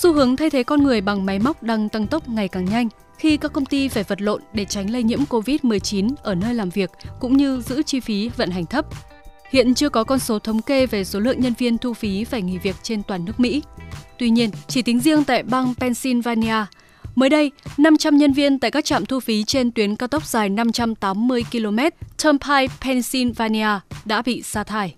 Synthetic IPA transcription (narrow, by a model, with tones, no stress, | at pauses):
su˧hɨ˨˦əŋt̪ʰa˧jt̪ʰe˨˦kɔ˧nŋɨ˨˩əjɓa˨˩ŋma˨˦jma˦˥wk͡p̚ɗaː˧ŋt̪ə˧ŋt̪ə˦˥wk͡p̚ŋa˨˩jkaː˨˩ŋɲa˧jŋ̟ | xi˧kaː˦˥kːə˧wŋ͡mt̪i˧faː˧˩jvə˨˩t̚lo̰˧˨nɗe˧˩t͡ɕa˨˦jŋ̟lə˧jɲḭ˧˥əmko˧vi˦˥t̚mɨ˨˩əjt͡ɕi˨˦nʔəː˧˩nəː˧jlaː˨˩mvi˨˩ək̚kʊ̰˧˥ŋ͡mɲɨ˧zɨ̰˧˥t͡ɕi˧fi˨˦və̰˧˨nɦa˨˩ŋ̟t̪ʰə˦˥p̚ | hḭ˧˨ənt͡ɕɨ˧əkɔ˨˦kɔ˧nso˨˦t̪ʰə˨˦wŋ͡mke˧ve˨˩so˨˦lɨ̰˧˨əŋɲə˧nvi˧ənt̪ʰu˧fi˨˦faː˧˩jŋḭ˧˨˩vi˨˩ək̚t͡ɕe˧nt̪waː˨˩nːɨ˦˥ək̚mḭ˧˥t̪wi˧ɲi˧ənt͡ɕi˧˩t̪ï˨˦ŋ̟zi˧əŋt̪a̰ː˧˨jɓaː˧ŋpɛ˧nsi˧nvaː˧ni˧aː˧ | məː˨˦jɗə˧jna˧mt͡ɕa˧mɲə˧nvi˧ənt̪a̰ː˧˨jkaː˦˥k̚t͡ɕa̰ː˧˨mt̪ʰu˧fi˨˦t͡ɕe˧nt̪wi˨˦ənkaː˧wt̪ɔ˦˥k͡p̚z̥aː˨˩jna˧mt͡ɕa˧mt̪aː˨˦mːɨ˧əjki˧lo˧mɛ˦˥t̚t̪ʰəː˧mpʰaː˧jpʰɛ˧nsi˧nvaː˧ni˧aː˧ɗa̰ː˧˥ɓḭ˧˨saː˧t̪ʰaː˧j